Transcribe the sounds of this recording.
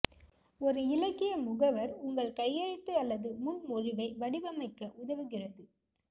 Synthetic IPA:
ɔɾɯɪlɐkːɪjɐmʊɣɐʋɐɾʊŋɡɐɭkɐjːɐɻɪt̪ːɯɐlːɐðɯmʊnmʊrɪʋɐɪʋɐɽɪʋɐmɐɪkːɐʔʊðɐʋɯɣɪrɐðɯ

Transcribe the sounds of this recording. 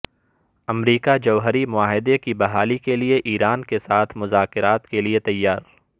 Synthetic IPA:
ɐmɾiːkad͡ʒɐʋɦəɾimʊaːɦɪd̪ekibɐɦaːlikelieʔiːɾaːnkesaːt̪ʰmʊzaːkɪɾaːt̪keliet̪ɐjːaːɾ

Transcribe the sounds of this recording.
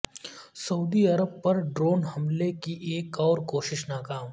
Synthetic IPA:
sɐuːd̪iɐɾəb̚pɐɾɖɾoːnɦɐmlekiʔeːkɔːɾkoːʃɪʃnaːkaːm

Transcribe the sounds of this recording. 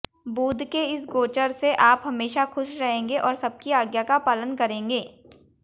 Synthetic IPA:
buːd̪ʱkeɪsɡoːt͡ʃəɾseʔaːpɦɐmeːʃaxʊʃɾɐɦẽːŋɡeʔɔːɾsɐb̚kiaːɡjakapaːlənkɐɾẽːŋɡeː

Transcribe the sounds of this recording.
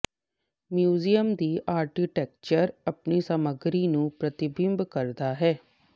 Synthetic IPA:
mjuːzijəmd̪iːʔaːɾkiʈɛːk̚t͡ʃəɾəpniːsəməɡɾiːnũːpɾət̪ɪbɪmbkəɾd̪aːɦɛː

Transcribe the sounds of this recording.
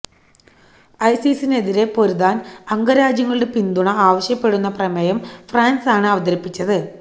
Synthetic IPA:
ɐjsisine̞ðiɾe̞po̞ɾuðaːnɐŋɡɐɾaːd͡ʑjɐŋːɐɭɽe̞pind̪uɳɐaːʋɐɕjɐpːe̞ɽunːɐprɐmɐjɐmfraːnsaːɳɨɐʋɐd̪ɐɾɐpːit͡ɕːɐðɨ

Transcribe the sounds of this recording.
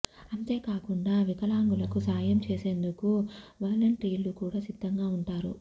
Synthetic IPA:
ɐnt̪e̞ːkaːkuɳɖaːʋikɐlaːŋɡulɐkusaːjɐmt͡ʃeːseːnd̪ukuʋɐːlɐɳʈɾiːlːukuːɽaːsid̪ʱːɐŋɡaːuɳʈaːɾu

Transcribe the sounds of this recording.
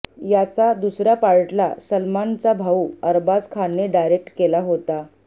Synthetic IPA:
jat͡sad̪usɾjapaɭʈla̰səlmant͡sabʱauəɾbad͡zkʰaneɖajɾek̚ʈkelaɦot̪a

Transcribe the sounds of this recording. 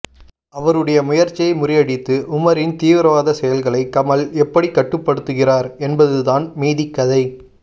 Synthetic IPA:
ɐʋɐɾɯɽɐjɐmʊjɐɾt͡ʃːɪɐɪmʊrɪjɐɽɪt̪ːɯʔʊmɐɾɪnt̪iːʋɪɾɐʋaːðɐsɛjɐlɣɐɭɐɪkːɐmɐlɛpːɐɽikːɐʈːɯpːɐɽɯt̪ːɯɣɪraːɾɛnbɐðɯðaːnmeːðɪkːɐðɐɪ

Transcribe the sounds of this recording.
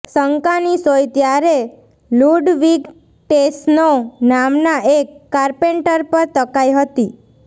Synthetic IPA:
səŋkanisojt̪jaɾe | luɖʋiɡ | ʈesnonamnaʔekːaɾpeɳʈəɾpəɾt̪əkajɦət̪i

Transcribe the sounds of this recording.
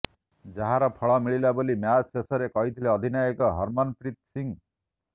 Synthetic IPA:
d͡ʒaɦaɾɔpʰɔɭɔmiɭilabolimjasesɔɾekɔɦit̪ʰileʌd̪ʱinajekɔɦʌɾmɔnpɾit̪̚siŋ

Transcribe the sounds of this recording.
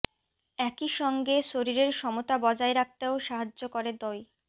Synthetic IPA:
ɛkiʃɔŋɡeʃoɾiɾeɾʃɔmot̪abɔd͡ʑaeɾak̚t̪eoʃaɦad͡ʑːokoɾed̪ɔj

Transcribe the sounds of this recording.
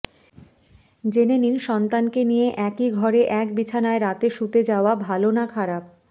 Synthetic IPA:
d͡ʑeneninʃɔnt̪ankenijeʔɛkiɡʱɔɾeʔɛkbit͡ɕʰanaeɾat̪eʃut̪ed͡ʑaoabʱalonakʰaɾab̚

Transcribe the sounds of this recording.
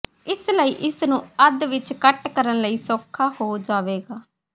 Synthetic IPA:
ɪsləiːʔɪsnũːəd̪ʋɪt͡ʃkəʈkəɾənləiːsoːkʰaːhoːd͡ʒaːʋeːɡaː

